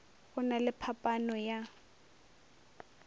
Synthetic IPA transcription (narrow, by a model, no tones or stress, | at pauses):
ɣʊnalɪpʰapʼanɔja